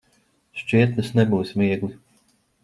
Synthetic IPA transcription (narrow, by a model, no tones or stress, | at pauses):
ʃt͡ʃiɛt̪lʲɨsnɛbuːsʲmiɛɡlʲˠi